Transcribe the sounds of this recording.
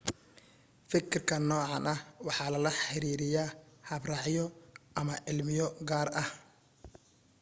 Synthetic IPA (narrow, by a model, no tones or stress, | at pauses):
fɪkʰɪrkʰɐnɔːʕɑnʔɐhwɑħɑːlɐlɐħɪɾiːɾɪjaːhɐbrɑʕjɔɐmɐʕɪlmɪjɔɡaːrɐh